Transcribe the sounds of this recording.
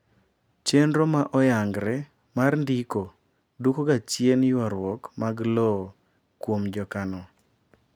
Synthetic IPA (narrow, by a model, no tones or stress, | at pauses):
t͡ʃenɾomaʔɔjaŋɡɾɛ | marndiko | dukoɡat͡ʃjenjwaɾwɔkmaɡlɔ | kwomd͡ʒɔkanɔ